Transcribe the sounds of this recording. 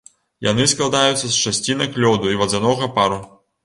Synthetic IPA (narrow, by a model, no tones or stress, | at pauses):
ja̰nɨsklˠad̪ajut̪sːɐst͡ʂasʲt͡sʲinɐjklʲɔd̪uivɐd̪zanɔɣɐpaɾu